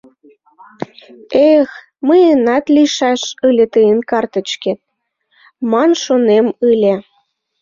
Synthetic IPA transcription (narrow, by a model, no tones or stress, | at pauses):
ex | məjənɑt̪lʲiʃɑʃɯlʲet̪əjənkɑrt̪ə̆t͡ɕket̪̚ | mɑnʃonemɯlʲe